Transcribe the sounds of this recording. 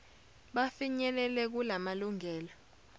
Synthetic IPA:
ɓafiɲɛlɛlɛk̬ulamaluŋɛːla

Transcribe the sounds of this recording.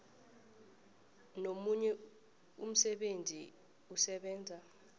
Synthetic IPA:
nomuɲɛ | ṵm̩sɛɓendʱi | usɛɓɛːnd͡zʱa

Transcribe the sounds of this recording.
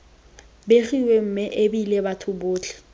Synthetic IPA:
beχiwem̩mɪʔebilebatʰʊbʊːt͡ɬʰʼɪ̥

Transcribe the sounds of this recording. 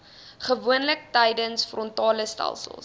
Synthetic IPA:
χəvuənlək̚tɛjdənsfrɔntɑːləstæ̰lˠsə̰lˠ

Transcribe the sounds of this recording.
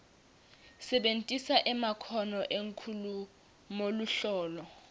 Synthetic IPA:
sɛɓentʼisaʔɛmakʰɔnɔʔeŋkʰulu | moluɬɔːlɔ

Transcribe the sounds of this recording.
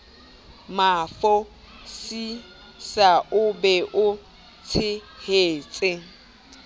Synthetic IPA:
mafɔ | si | saʔʊbɛʔʊ | t͡sʰɪheːt͡sʼɪ

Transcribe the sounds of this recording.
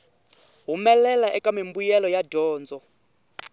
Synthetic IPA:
ɦumɛlɛlaʔɛkʼamimbujɛlɔjadɔːnd͡zɔ

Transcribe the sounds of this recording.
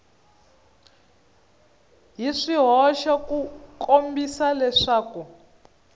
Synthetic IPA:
ɦiʂiɦɔʃakukombisalɛʂaːku

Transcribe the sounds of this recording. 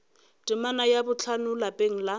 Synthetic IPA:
tʼɪmanajabʊt͡ɬʰanʊlapʼeŋ̩la

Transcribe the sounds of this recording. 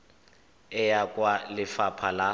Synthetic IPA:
ɛjakʼwalɪfapʰala

